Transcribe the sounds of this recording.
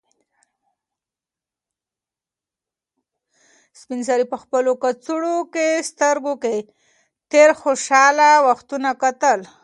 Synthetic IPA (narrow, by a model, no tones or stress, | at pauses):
spinsaɾipəxpəlokat͡suɽokest̪əɾɡoke | t̪eɾxoʃɑlawaxt̪unakat̪əl